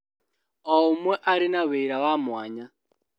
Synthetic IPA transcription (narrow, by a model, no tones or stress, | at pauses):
ɔmwɛʔaɾinaβeiɾawamwaːɲa